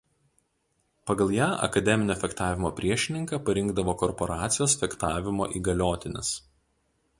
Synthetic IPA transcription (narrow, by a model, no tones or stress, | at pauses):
pɐɡɐlˠjæːʔɐ̰kɐd̪ʲɛmʲɪnʲoːfʲɛkt̪ɑːʋʲɪmoːpʲɾʲiɛʃʲɪnʲɪŋkɑːpɐɾʲɪŋɡd̪ɐʋoːkɔɾpɔɾɑːt̪sʲɪjoːsfʲɛkt̪ɑːʋʲɪmo̰ːʔiːɡɐlʲoːt̪ʲɪnʲɪ̰s